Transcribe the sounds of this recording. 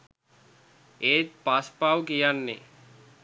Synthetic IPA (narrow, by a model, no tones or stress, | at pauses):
eːt̪̚paspawkijanːḛ